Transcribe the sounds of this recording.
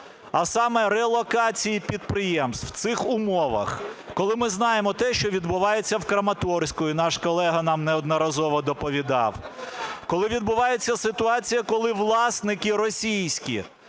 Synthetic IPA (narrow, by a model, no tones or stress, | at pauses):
ɐsɑmɛɾɛlˠɔkɑt͡sʲijipʲid̪̚pɾɪjɛmst̪w̥t̪sɪxʊmɔʋɐ̰xkɔlˠɪmɪznɑjemɔt̪ɛʃt͡ʃɔʋʲid̪bʊʋɑjet͡sʲːɐwkɾɐmɐt̪ɔrsʲkɔjʊnɑʃkɔlˠɛɦɐnɑmnɛɔd̪nɔɾɐzɔʋɔd̪ɔpɔʋʲid̪ɑ̰wkɔlˠɪʋʲid̪bʊʋɑjet͡sʲːɐsɪt̪ʊɑt͡sʲijɐkɔlˠɪʋlˠɑsnɪkɪɾɔsʲijsʲkʲḭ